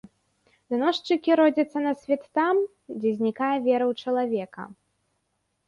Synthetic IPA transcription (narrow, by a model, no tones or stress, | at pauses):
d̪ɨnɔʂt͡ʂɨkʲiɾɔd͡zʲɐt̪sːɐnɐsʲvʲɛt̪ːam | d͡zʲɛzʲnʲikajɐvʲɛɾɐwt͡ʂɐlˠavʲɛkɐ̰